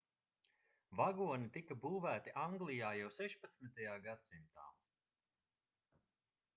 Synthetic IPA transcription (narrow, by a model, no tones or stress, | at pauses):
vaɡuɔnit̪ikabuːvæːt̪iʔaŋɡlˠijaːjawsɛʃpat̪smit̪ajaːɡat̪simt̪a̰ː